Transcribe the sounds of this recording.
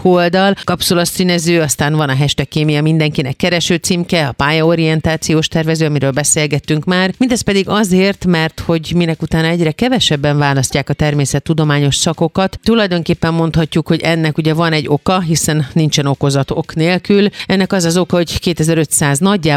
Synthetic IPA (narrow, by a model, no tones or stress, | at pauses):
old̪ɒlkɒpsolot̪siːnɛzøːɒst̪aːnvɒnɒɦɛʃt̪ɛkːeːmijɒmind̪ɛŋkinɛkːɛɾɛʃøːt̪simkɛɒpaːjɒoɾijɛnt̪aːt̪sijoːʃt̪ɛrvɛzøːɒmiɾøːlbɛseːlɡɛt̪ːyŋkmaːrmind̪ɛst̪̚pɛd̪iɡɒzeːrt̪mɛrt̪ho̞ɟminɛkut̪aːnɒɛɟrɛkɛvɛʃɛbːɛɱvaːlɒscːaːkɒt̪ɛrmeːsɛt̪ːud̪o̞maːɲo̞ʃsɒko̞kɒt̪t̪ulɒjd̪o̞ŋkeːpːɛmːo̞nt̪hɒcːukho̞ɟɛnːɛkuɟɛvɒnɛɟːo̞kɒɦisɛnːint͡ʃɛno̞ko̞zɒt̪o̞kneːlkylɛnːɛkɒzɒzo̞kɒho̞ɟkeːt̪ɛzɛɾø̞t̪saːznɒɟːaː